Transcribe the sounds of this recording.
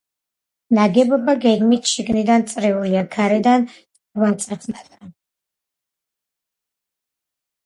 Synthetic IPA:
naɡɛbɔbaɡɛɡmit̪ʰʃiɡnid̪ant̪sʼɾiuliaɡʰaɾɛd̪an | vant̪sʼɛt̪sʰnat̪ʼɾa

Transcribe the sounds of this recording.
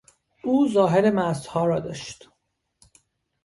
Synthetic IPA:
ʔuːzɒːɦeɾemæst̪hɒːɾɒːd̪ɒːʃt̪

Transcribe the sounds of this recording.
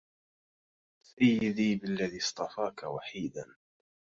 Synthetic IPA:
sʔajːɪðiːbɪlːaðiːst̪ˤɑfɑːkawaħiːd̪an

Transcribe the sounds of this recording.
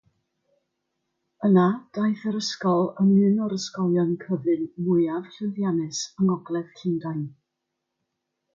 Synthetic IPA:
ənad̥ajθəɾəskɔlˠəmɨnɔɾəskɔlˠjɔnkʰəvɨnmʊjav̥ɬɨnðjanɨsəŋɔɡlˠɛð̥kʰɪndajn

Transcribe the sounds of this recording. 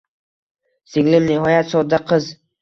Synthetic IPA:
sɪŋlɪmnɪɦɒjat̪sɒd̪aqʰɨz

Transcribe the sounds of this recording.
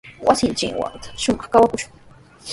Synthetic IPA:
wʔasɪnt͡ʃɪ̰ŋwa̰ŋt̪ḁʃʊmɑχkawakʊʃʊ̥ŋ

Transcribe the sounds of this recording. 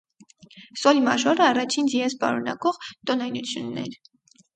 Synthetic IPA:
sɔlmɑʒɔɾəɑrɑt͡ʃʰinziɛspɑ̰ɾunɑ̰kɔʁt̪ɔnɑjnut͡sʰjunːɛ̰ɾ

